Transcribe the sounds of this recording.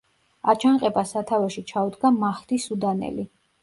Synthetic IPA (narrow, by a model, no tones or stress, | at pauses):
at͡ʃʰaŋqʼɛbasat̪ʰavɛʃit͡ʃʰaud̪ɡamaχt̪isud̪anɛ̰li